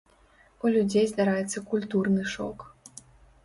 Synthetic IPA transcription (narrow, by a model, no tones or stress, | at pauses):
ulʲud͡zʲejzd̪aɾajɛt̪sːɐkulʲt̪urnɨʂɔ̰k